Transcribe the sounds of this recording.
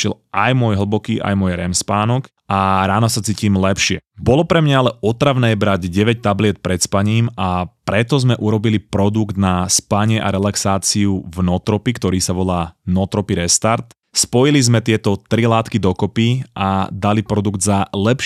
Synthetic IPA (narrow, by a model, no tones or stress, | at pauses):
ʃɛlʔajmʊɔjɦl̩ˠbɔkiːʔa̰jmʊɔjɾɛmspaːnɔk | aɾaːnɔsat͡siːcimlɛpʃɪɛbɔlɔpɾɛmɲaalɛɔt̪ɾaʋnɛːbɾaɟɟɛʋɛc̚t̪ablɪɛt̪̚pɾɛt̪spaɲiːmapɾɛt̪ɔzmɛʔuɾɔbilipɾɔd̪uɡd̪naspaɲɪɛʔaɾɛlaksaːt͡siuvnɔt̪ɾɔpikt̪ɔɾiːsaʋɔlaːnɔt̪ɾɔpiɾɛst̪aɾt̪ | spɔjilizmɛt̪ɪɛt̪ɔt̪ɾilaːt̪kid̪ɔkɔpiʔad̪alipɾɔd̪uɡd̪zalɛp